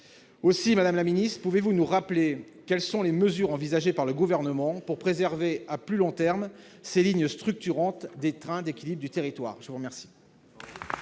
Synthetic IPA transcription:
osimad̪amlaminist̪χpuvevunuʁaple | kɛlsɔ̃leməzyʁɑ̃vizaʒepaʁləɡuvɛʁnəmɑ̃puʁpχezɛʁveaplylɔ̃t̪ɛʁm | seliɲst̪χyk̚t̪yʁɑ̃t̪d̪et̪χɛ̃d̪ekʲilibʁd̪yt̪eʁit̪wa̰ːʁʒəvuʁmɛʁsi̥

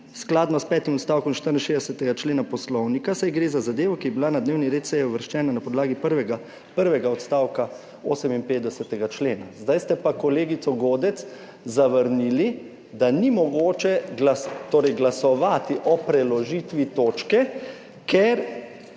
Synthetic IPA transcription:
sklaːd̪nɔst̪pɛːt̪imɔt̪st̪aːwkɔmnʃt̪əɾinʃeːzd̪ɛsɛt̪ɛɡat͡ʃleːnapɔslɔwnikasajɡɾeːzazad̪eːʋɔkijɛbilanad̪neːwniɾeːt̪sɛjɛɔʋəɾʃt͡ʃɛːnanapɔd̪laːɡipəɾʋɛɡa | pəɾʋɛɡaɔt̪st̪aːwka | oːsɛminpeːt̪d̪ɛsɛt̪ɛɡat͡ʃleːnazd̪ajst̪ɛpakɔleːɡit̪sɔɡoːd̪ɛt̪s | zaʋəɾnili | d̪animɔɡoːt͡ʃɛɡlast̪oːɾɛjɡlasɔʋaːt̪iʔɔpɾɛlɔʒit̪ʋit̪oːt͡ʃkɛ | keɾ

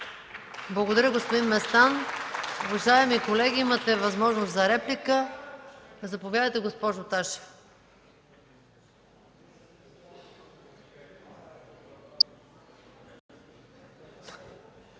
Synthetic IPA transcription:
blˠɐɡod̪ɐɾʲəɡospod̪inmɛst̪anobɐʒajɛmikolɛɡʲiimət̪ɛvɐzmɔʒnoszɐɾɛplikə | ɐzɐpovʲjaðəjt̪ɛɡospɔʒoːt̪aʃi̥

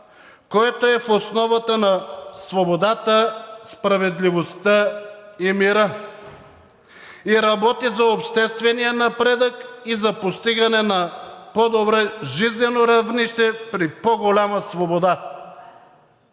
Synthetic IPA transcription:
koɛt̪oɛfosnɔvat̪anasvobod̪at̪aspɾavɛd̪livost̪aimiɾa | iɾabɔt̪izaopʃt̪ɛst̪vɛnijanapɾɛd̪akizapost̪iɡanɛnapɔd̪obɾɛʒiznɛnoɾavniʃt̪ɛpɾipoɡolʲamasvobod̪a

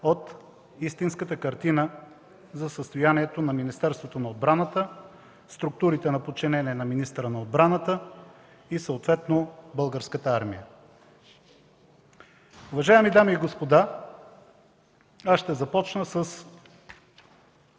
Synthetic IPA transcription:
ot̪ | ist̪inskət̪əkɐɾt̪inə | zɐsəst̪ojaniɛt̪onɐminist̪ɛɾst̪vot̪onɐod̪̚bɾanət̪ə | st̪ɾʊk̚t̪uɾit̪ɛnɐpot͡ʃɛnɛniɛnɐminist̪ɾənɐod̪̚bɾanət̪ə | isəot̪vɛt̪nobɤlˠɡəɾskət̪əaɾmijə | ʊvɐʒaɛmid̪amiːɡospod̪a | asʃt̪ɛzɐpɔt͡ʃnəsəs

